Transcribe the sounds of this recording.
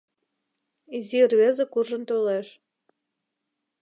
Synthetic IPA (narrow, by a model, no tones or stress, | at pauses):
izirβezekuʒə̆nt̪oleʃ